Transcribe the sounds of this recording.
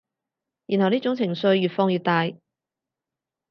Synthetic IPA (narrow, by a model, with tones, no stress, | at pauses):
jy˨˩nhɐ˨˩wniː˥t͡sʊ˨˥ŋt͡sʰɪ˨˩ŋsɵ˧ɥːyː˨t̚fɔː˧ŋjyː˨˧t̚t̪aː˧j